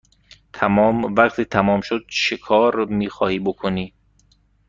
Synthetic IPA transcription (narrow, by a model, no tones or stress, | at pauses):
t̪ʰæmɒːmvæqt̪ʰiːt̪ʰæmɒːmʃod̪̥̚ʃekʰɒːɾmiːxɒːhiːbokʰoniː